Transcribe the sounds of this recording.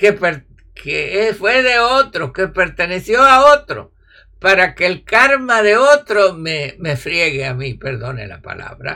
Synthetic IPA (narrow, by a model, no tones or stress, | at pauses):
kepeɾ | keefwe̞ðeot̪ɾoke̞peɾt̪e̞ne̞sjo̞aot̪ɾo̰ | paɾake̞ːlkaɾmaðeot̪ɾomemefɾjeɣeamipe̞ɾðo̞nḛla̰pa̰la̰βɾa̰